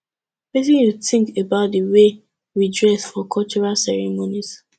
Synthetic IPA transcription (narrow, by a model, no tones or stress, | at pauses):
wetĩnjuθɪ̃ŋkebaʊt̚dəwe | ɹidɹɛsfɔkʰɔlt͡ʃɔɹalsɛɹɛmoniz̥